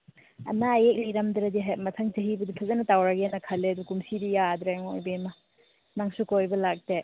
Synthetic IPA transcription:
ɐ̰naːjek̚liɾɐmdɾɐdiɦamɐtʰɐŋtɐɦibɐdipʰazanɐtawɾaɡeanɐkʰɐlːeɐdukumsidijad̪ɾeŋojbemɐ | naŋsukojbɐlak̚de

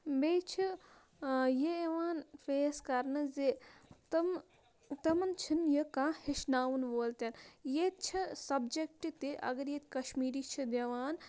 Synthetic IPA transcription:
bejt͡ʃʰi | jeeʋaːnfeːskɐɾnɐzet̪m | t̪ɐmɐnt͡ʃʰinjəkãːhiʃnaːʋunboːlt̪ɐnjet̪t͡ʃʰisɐbd͡ʒek̚ʈit̪eʔɐ̰ɡɐɾjet̪kɐʃmiːɾiːt͡ʃʰid̪eʋaːn

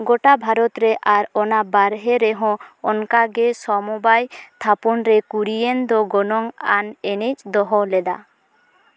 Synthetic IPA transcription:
ɡoʈabʱaɾɔt̪ɾeʔaɾɔnabaɾɦeɾeɦɔ̃ɔnkaɡɛsɔmubajt̪ʰapunɾekuɾijend̪ɔɡɔnɔŋa̰nenet͡ʃd̪ɔɦɔlɛd̪a̰

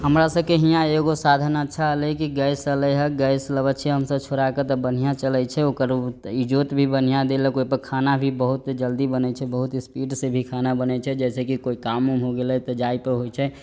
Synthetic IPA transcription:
ɦəmɾasəbkeɦijãeɡosad̪ʱənətːʃʰaɦəlɛkiɡəjsələjɦəkɡəjsləbət͡ʃʰeɦəmsəbt͡ʃʰoɾaket̪ɔbən̤ijãt͡ʃəlɛt͡ʃʰɛokəɾid͡ʒot̪bʱibən̤ijãd̪elɛkoipəɾkʰanabʱibəɦut̪d͡ʒəld̪ibənɛt͡ʃʰɛbəɦut̪spiɖsebʱikʰanabənɛt͡ʃʰɛd͡ʒɛːsekikoikamuɦoɡelɛt̪əd͡ʒaipəɾɦojt͡ʃʰɛ

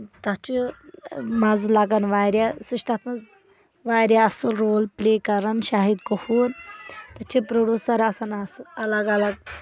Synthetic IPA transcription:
t̪ɐt͡ʃʰi | mazlaɡɐnʋaːɾʲjasiʃt̪at̪mɐz | ʋaːɾʲjaɐsulɾoːlplekɐɾɐnʃaːɦid̪kofuːɾt̪ɐt͡ʃʰipɾoɖʲuːsɐɾɐsanasɐlɐɡɐlɐɡ̚

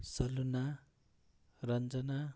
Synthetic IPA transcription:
sʌluna | rʌnd͡zʌna

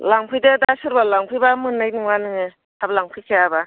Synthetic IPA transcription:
laŋpʰɯjdedasɯɾbalaŋpʰɯjbamɯnːajnɯŋanɯŋɯ | ablaŋpʰɯjkʰeaba

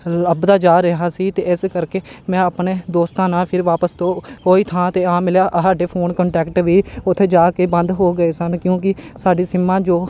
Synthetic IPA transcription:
ləbd̪aːd͡ʒaːɾəɦaːsiːt̪eːɪskəɾkeːmɛ̃ːəpɳeːd̪oːst̪ãːnaːlpʰɪɾʋaːpəst̪õːɦoːiːt̪ʰãːt̪eːãːmɪljaːʔsaːɖeːpʰoːnkəɳʈɛːkʈʋiːʊt̪ʰːeːd͡ʒaːkeːbə̃nd̪ɦoːɡəeːsənkjõːk̬ɪsaːɖiːsɪmːãːd͡ʒoː

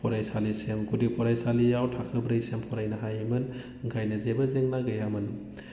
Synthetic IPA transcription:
pʰɔɾajsalisemɡudipʰɔɾajsalijawtʰakʰɯbɾɯjsempʰɔɾajnɐɦajmɯn | ɯŋkʰajnɐzebɐzeŋnaɡɯjamɯn

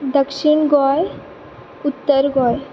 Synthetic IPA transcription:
d̪əkʃiɳɡɔj | ut̪ːəɾɡɔj

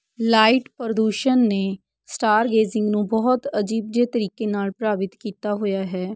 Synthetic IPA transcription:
laːiʈpəɾəd̪uːʃənːeː | sʈaːɾɡeːzɪ̃ŋɡnũːbɔːt̪əd͡ʒiːb̚d͡ʒ̪eːt̪əɾiːkeːnaːlpɾaːbɪt̪kiːt̪aːɦoːjaːɦɛː

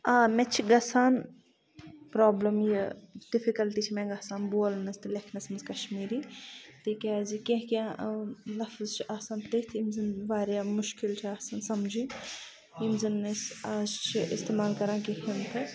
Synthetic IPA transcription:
aːmɛ̃t͡ʃʰiɡɐsaːn | pɾoːblɐmjɐdifikɐlʈ̪iːt͡ʃʰimɛ̃ːɡɐsaːnboːlnɐst̪ɨlekʰnɐsmɐnzkɐʃmiːɾiːt̪iːkaːzikẽɦkʲã | lɐfzt͡ʃʰiʔaːsaːnt̪et̪ʰimzinʋaːɾjaːmʊʃkɪlt͡ʃʰiaːsansɐmd͡ʒi | imzinːɐsaːzt͡ʃʰiʔɪst̪eːmaːlkɐɾãːkeɦɐnt̪ʰɨ

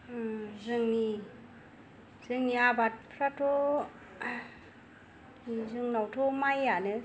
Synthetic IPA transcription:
zɯŋni | z̥ɯŋniabat̚pʰɾatʰɔ | nizɯŋnawtʰɔmajanɯ

